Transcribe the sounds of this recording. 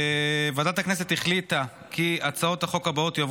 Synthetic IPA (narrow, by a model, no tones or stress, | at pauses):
vadat̪haknes̬et̪iχlit̪a | kʰiat͡sao̞thaχo̞kabaot̪jav